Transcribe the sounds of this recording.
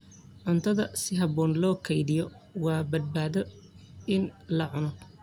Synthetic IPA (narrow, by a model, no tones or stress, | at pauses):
ʕʊnt̪ʰɐðɐsɪɦɐbɔːnlɔːkʰɐjðɪjɔ | wɑːbɐd̪̚baːðɔ | ɪnlɐʕʊnɔ